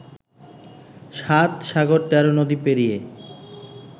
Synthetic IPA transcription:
ʃat̪ʃaɡoɾt̪ɛɾonod̪ipeɾije

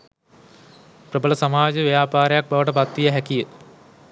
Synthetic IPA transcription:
prəbələsamaːd͡ʒəʋejaːpaːɾejak̚baʋəʈəpat̪ːijəɦækijə

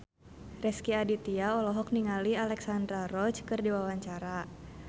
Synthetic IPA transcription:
rɛskiadit̪iaɔlɔɦɔk̚niŋalialɛksandɾaɾɔt͡ʃkɨrdiwawaɲt͡ʃaɾa

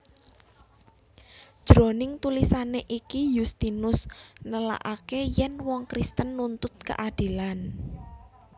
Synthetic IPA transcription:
d̥ʒ̥ɾonɪŋt̪ulisaneʔikijust̪inʊsnəla̰ʔakejɛnwɔŋkɾist̪ənːunt̪ʊt̪̚kə̰ʔad̥i̤lan

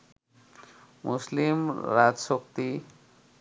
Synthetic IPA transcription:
mʔuslimɾad͡zsokt̪i

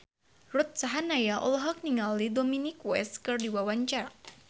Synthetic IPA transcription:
rut̪̚saɦanajaʔɔ̰lɦɔk̚niŋalːidominikwɛ̰skɨrdiwawaɲt͡ʃar

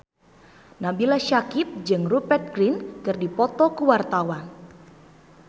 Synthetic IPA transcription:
nabilaʃakɪp̚d͡ʒɨŋrupɛrt̪̚ɡɾinkɨrdipɔt̪ɔkuwart̪awan

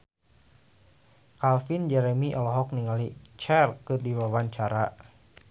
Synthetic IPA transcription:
kalfind͡ʒɛɾɛmiʔɔlɔɦɔk̚niŋalit͡ʃɛrkɨrdiwawaɲt͡ʃaɾa

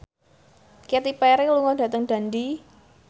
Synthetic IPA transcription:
ket̪ipɛɾeluŋɔd̥a̤t̪əŋd̥a̤ndi

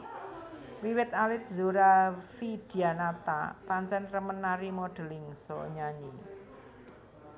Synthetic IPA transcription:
wiwɪt̪̚alɪt̪̚zuɾafid̪̥i̤anat̪a̰paɲt͡ʃɛnrəmənːaɾimɔɖ̥ə̤lɪŋsɔɲaɲi

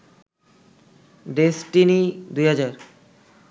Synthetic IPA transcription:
ɖesʈinid̪ujɦad͡ʑaɾ

